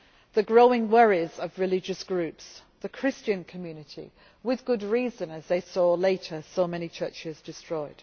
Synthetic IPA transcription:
ðəɡɹoʊɪ̃ŋwɛɹizəvɹɪlɪd͡ʒəsɡ̥ɹʉˑpsðəkʰɹ̥ɪst͡ʃə̃nkʰəmjʉːnɪtʰḭ | wɪðɡʊdɹiːzə̃nəzðeɪsɔːleɪtʰəsoʊmɛñit͡ʃʰɜˑt͡ʃɪzdɪstɹ̥ɔɪd̥

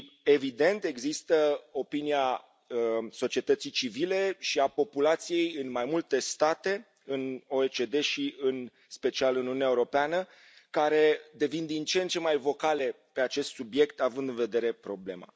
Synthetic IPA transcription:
e̞vid̪e̞nt̪e̞ɡzist̪əo̞pinia | so̞t͡ʃie̞t̪ət̪sit͡ʃivile̞ʃiapo̞pulat̪sije̞jɨnmajmult̪e̞st̪at̪e̞ | ɨno̞et͡ʃe̞d̪e̞ʃiɨn | spe̞t͡ʃialɨnununɛaeuɾo̞peanə | kaɾe̞d̪e̞vind̪int͡ʃent͡ʃe̞majvo̞kale̞ | pe̞at͡ʃe̞st̪subje̞kt̪avɨnd̪ɨnve̞d̪e̞ɾe̞pɾo̞ble̞̰ma̰

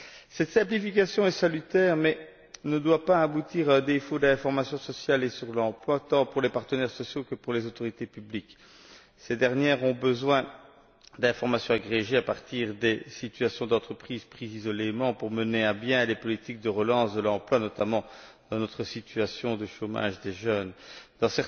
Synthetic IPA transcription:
sɛt̪sɛ̃plifik̬asjɔ̃ɛsalyt̪ɛːʁmɛ | nəd̪wapaabut̪iːʁad̪efod̪ɛ̃fɔʁmasjɔ̃sɔsjalesyʁlɑ̃plwat̪ɑ̃puʁlepaʁt̪ənɛʁsɔsjokəpuʁlezot̪ɔʁit̪epyblik | sed̪ɛʁnjɛːʁɔ̃bəzwɛ̃ | d̪ɛ̃fɔʁmasjɔ̃aɡʁeʒeapaʁt̪iːʁd̪esit̪yasjɔ̃d̪ɑ̃t̪χəpχiːz̥pχizizɔlemɑ̃puʁməneɛ̃bjɛ̃lepɔlit̪ik̚d̪əʁəlɑ̃sd̪əlɑ̃plwanɔt̪amɑ̃d̪ɑ̃nɔt̪χəsit̪yasjɔ̃d̪əʃoma̰ʒd̪eʒœnd̪̥ɑ̃sɛʁ

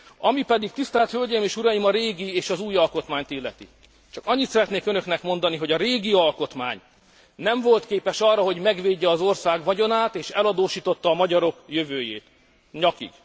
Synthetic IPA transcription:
ɒmipɛd̪ik̚t̪ist̪ɛlt̪hølɟeːjmeːʃuɾɒjimɒɾeːɡieːʃɒzuːjɒlko̞t̪maːɲt̪ilːɛt̪ḭ | t͡ʃɒkɒɲːit̪sɛɾɛt̪neːkønø̞knɛkmo̞nd̪ɒniɦo̞ɟɒɾeːɡiɒlko̞t̪ma̰ːɲ | nɛɱvo̞lt̪keːpɛʃɒrːɒɦo̞ɟmɛɡʋeːɟːɛːzo̞rsaːɡʋɒɟo̞naːt̪eːʃɛlɒd̪oːʃiːt̪o̞t̪ːɒːmɒɟɒɾo̞kjøvøːjḛːt̪ | ɲɒkḭɡ̥

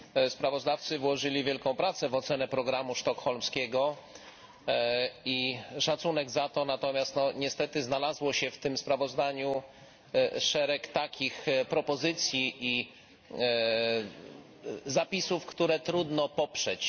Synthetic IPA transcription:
spɾavɔzd̪aft̪sɘvwɔʐɘlʲivʲjɛlkɔ̃w̃pɾat̪sɛvɔt̪sɛnɛpɾɔɡɾamuʂt̪ɔkxɔlmskʲɛɡɔ | iʂat̪sunɛɡzat̪ɔnat̪ɔmʲjast̪nɔɲɛst̪ɛt̪ɘznalazwɔɕɛft̪ɘmspɾavɔzd̪aɲu | ʂɛɾɛkt̪akʲixpɾɔpɔzɘt̪sʲjiʔi | zapʲisufkt̪uɾɛt̪ɾud̪nɔpɔpʂɛt͡ɕ

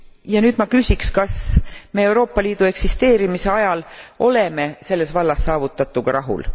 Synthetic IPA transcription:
jɑnyːd̪mɑkysʲikskɑsme̞ewɾo̞ːpːˑɑliːd̪̥ue̞ksist̪e̞ːɾimise̞ɑjɑlo̞le̞me̞se̞lːe̞svɑlːɑsːɑːvut̪ːˑɑt̪ːˑuɡ̥ɑɾʔɑɦṵl

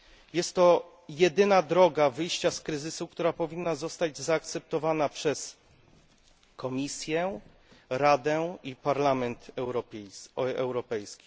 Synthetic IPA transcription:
jɛst̪ːɔ | jɛd̪ɘnad̪ɾɔɡavɘjɕt͡ɕaskɾɘzɘsukt̪uɾapɔvʲinːazɔst̪ad͡ʑzaːk̚t̪sɛp̚t̪ɔvanapʂɛs | kɔmʲisʲjɛ | ɾad̪ɛipaɾlamɛnt̪ɛɾɔ | ɛwɾɔpɛjskʲi̥

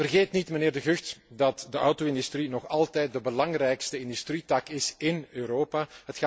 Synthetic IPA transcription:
vərɣeːtnitmənɪːrdəɣɵxtdɑtdəʔɔwtoːɪndystrinɔxɑlˠtɛjt̚dəbəlɑŋrɛjkstəɪndystritɑkɪsɪnøːɾoːpaːɦətx

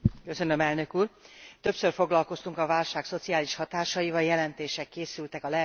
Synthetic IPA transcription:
køsønø̞mɛlnø̞kuːrt̪ø̞psørfo̞ɡlɒlko̞st̪uŋkɒvaːlʃaːkso̞t̪siaːliʃhɒt̪aːʃɒjivɒljɛlɛnt̪eːʃɛkːeːsylt̪ɛkɒlɛ

